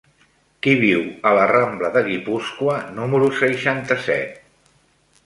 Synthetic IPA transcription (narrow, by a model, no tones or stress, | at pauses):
kiβiwələrambləðəɣipuskwənuməɾusəʃant̪əsɛ̰t̪̚